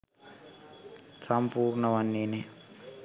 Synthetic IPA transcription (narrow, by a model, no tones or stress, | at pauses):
sampuːrnəʋanːene